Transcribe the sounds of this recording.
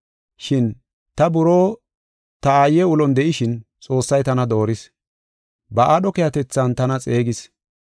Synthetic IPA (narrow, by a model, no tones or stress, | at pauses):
ʃɪn | t̪ɐbʊɾoː | t̪ɐaːjɛʊlɔnd̪ɛʔɪʃɪnt͡sʼo̞ːsːɐjt̪ɐnɐd̪o̞ːɾɪs | bɐʔaːɗɔkɛjɐt̪ɛt͡sːɐnt̪ɐnɐt͡sʼe̞ːɡɪs